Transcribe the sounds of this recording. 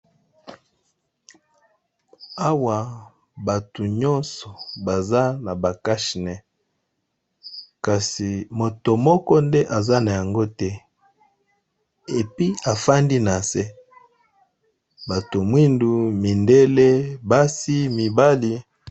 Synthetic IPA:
a˦wa˨ | ba˨tu˨ɲɔ˦nsɔ˨ba˨za˦na˨ba˨ka˦ʃnɛ˨ | ka˨si˨mo˨to˨mɔ˦kɔ˦ndɛ˦ʔa˨za˦na˨ja˨ŋɡo˦tɛ˦ | e˨pi˦a˨fa˦ndi˦na˨sɛ˦ | ba˨to˨mwi˦ndu˨mi˨nde˦le˦ba˦si˦mi˨ba˦li˨

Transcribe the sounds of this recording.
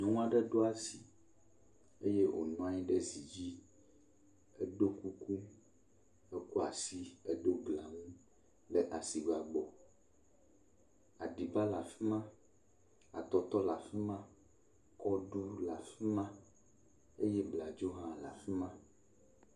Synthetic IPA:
nɔ̃˨ŋũ˦a˦ɖɛ˦ɖo˦a˦si˨ | e˦je˦ʔo̰˨nɔ̃˨˦a˨ɲĩ˦ɖe˦zi˨d͡ʑi˦ | ɛ˦ɖo˦ku˦ku˦ | e˦ku˦a˨si˦e˦ɖo˦ɡla˨ŋũ˦ | lɛ˨ʔa˨si˨ɡ͡ba˨ɡ͡bɔ˨ | a˨ɖi˨ba˦la˨fi˦mã˦ | a̰˨t̪ɔ˨t̪ɔ˦la˨fi˦mã˦ | kɔ˦ɖu˦la˨fi˦mã˦ | e˦jɛ˦bla˨d͡ʒo˦ɦã˦la̰˨fi˦mã˦

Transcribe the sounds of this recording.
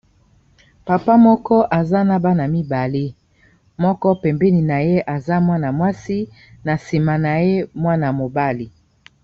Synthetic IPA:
pa˨pa˦mɔ˦kɔ˦ʔa˨za˦na˦ba˦na˨mi˦ba˨le˦ | mɔ˦kɔ˦pɛ˨mbɛ˦ni˨na˨je˦ʔa˨za˦mwa˦na˨mwa˦si˦ | na˨si˨ma˨na˨je˦mwa˦na˨mo˨ba˦li˨

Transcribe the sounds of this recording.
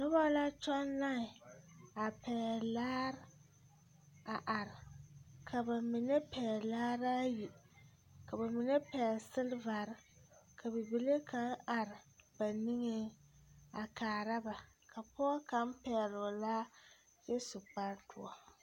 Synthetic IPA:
nʊ˦ba˦la˦t͡ʃɔ˦nla˦ɪ˨a˨pɛː˨laː˦ɾ | a˨ʔa˨ɾɪ˨kʰa˨ba˨mɪ˨nɛ˦pɛ˨laː˦ɾa˦ji˨ | ka˨ba˨mɪ˨nɛ˦pɛː˨sɨ˦lva˨ɾɪ˦kʰa˨bɪ˨bi˨˦le˦ka˦na˨ɾɪ˨ba˨nɪ˦ŋe˦ | a˨kaː˨ɾa˦ba˨ | kʰa˨pɔ˦ka˦m˦pɛ˨lʊ˨la˦ | jɛ˦sʊ˨k͡pa˦ɾtʰʊ˨ɔ˨

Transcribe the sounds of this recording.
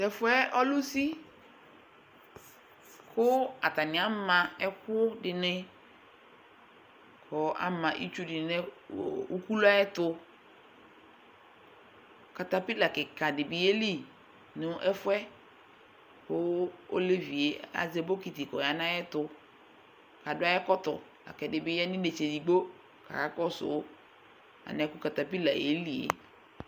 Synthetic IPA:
tɛ˨fʊ˦ɛ˦ɔ˦lʊ˦si˦ | kʊ˦a˨ta˨nɪ̃˨a˦mã˨ɛ˦kʊ˦dɪ˨nɪ˦ | kʰɔ˨a̰˦mã˨ʔḭ˦t͡ʃu˦dɪ˨nɛ˦˨u˦ku˦la˦jɛ˦tʊ˦ | ka˨ta˨pi˦la˨kɪ˨ka˨dɪ˨bi˨e˦li˦ | nʊ˦ʔɛ˦fʊ˦ɛ˦ | kʊ˦o̰˦le˦vi˨e˨a̰˨ze˦bo˦ki˨ti˨kɔ˨ja˨nã˦jɛ˦tʊ˨ | ka˨dʊ˦a˦jɛ˦kɔ˦tɔ̰˨ | la̰˨kɛ˨dɪ˨bɪ˨˦jɛ˦nɪ̃˦ne˨t͡ʃe˨di˨ɡ͡bo˦ | ka̰˨a˦kɔ˦sʊ̰˨˦ | a̰˨nɛ̃˨˦kʊ˦ka˨ta˨pi˦la̰˨ḛ˨˦li˨ḛ˨

